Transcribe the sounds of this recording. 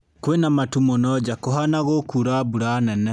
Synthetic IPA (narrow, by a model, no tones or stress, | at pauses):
kwenamatumonɔd͡ʒakoɦanaɣokuɾabuɾanɛnɛ